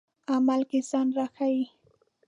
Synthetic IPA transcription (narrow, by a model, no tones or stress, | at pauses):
amalkɪsanɾahaj